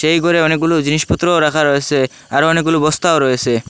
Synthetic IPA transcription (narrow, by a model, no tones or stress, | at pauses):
ʃejɡʱɔɾeɔnek̚ɡulud͡ʑiniʃpɔt̪ːɾoɾakʰaɾɔet͡ʃʰe | aɾoɔnek̚ɡulubɔst̪aoɾɔet͡ʃʰe